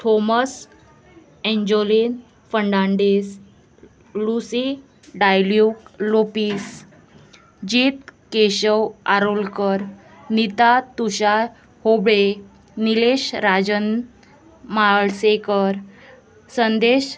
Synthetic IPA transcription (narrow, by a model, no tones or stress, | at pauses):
ʈʰoməs | ɛ̃ɲd͡ʑolin | fəɳɖãɳɖes | lusi | ɖajljuklopiːs | d͡ʑit̪keɕəwaɾolkəɾ | nit̪at̪uɕaɾ | hobɭe | nileɕɾad͡ʑən | maɭsekəɾ | sənd̪eɕ